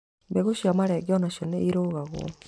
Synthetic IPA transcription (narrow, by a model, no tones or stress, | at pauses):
mbeɣoʃiamaɾɛɡɔnaʃoneiɾoɣaɣw̰ɔ̰